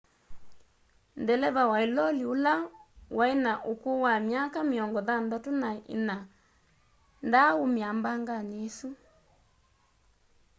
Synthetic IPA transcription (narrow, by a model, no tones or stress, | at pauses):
ndɛlɛðawailɔliulawʔainaʔukuwamjakamiɔŋɡɔðandatunaʔḭna | ndaumiambaŋɡanesu